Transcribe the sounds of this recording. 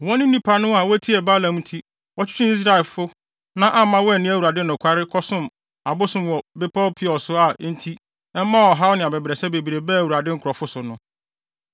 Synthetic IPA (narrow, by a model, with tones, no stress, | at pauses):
wɔ̃˦nɪ̃˦nĩ˦pʰa˦nʊ̃˦a˨wɔ˦æ˦tʰi˦ɛ˨ba˦lã˨m˦tʰi˦ | wɔ˦t͡ɕʰᶣɪ̥˦t͡ɕʰɪ̃˦i˦s̬ɾa˦ɛ˨lfʊ˦ | nã˦ʔa˦mã˦wɔ˦ɛ˦˨nɪ̃˦æ˦wu˨a˨dɪ˦nʊ̃˨kʷʰa˦ɾɪ˦kʰɔ˦sʊ̃˦˨m | a˨bʊ˦sʊ̃˨mwɔ˨bɪ˦pʰɔ˦pʰɪ˦ɔ˨sʊ˦a˨˦n̩˦tʰi˦ | ɛ˦mã˦˨ɔ˨ɦa˦wnɪ̃˨a˨bɛ˨bɾɛ˨sɛ˦be˨bi˨ɾe˨bɛ˦æ˨wu˨ɾa˨dɪ˦ŋ̩˦kʰʊ˨ɾɔ˨fʊ˦sʊ˨nʊ̃˦